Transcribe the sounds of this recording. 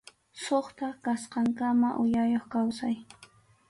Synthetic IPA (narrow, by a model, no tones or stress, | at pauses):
soχt̪akasqɑŋkamaʔʊjajoχkawsaj